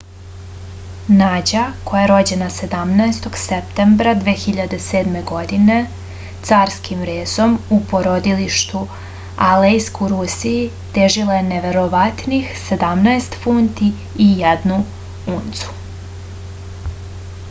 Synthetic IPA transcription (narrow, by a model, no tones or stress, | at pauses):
naːd͡ʑakʰo̞jaeɾo̞d͡ʑe̞nase̞d̪amnaest̪o̞ɡsept̪embɾad̪ʋeːxiʎad̪e̞seːd̪me̞ɡo̞d̪ine̞ | t̪saːɾskʰimɾeːzo̞mupoɾod̪iliʃt̪u | alejskuɾusiji | t̪eʒilˠajeneʋe̞ɾoʋat̪nixse̞d̪amnaest̪funt̪iː | jɛd̪nu | unt̪su̥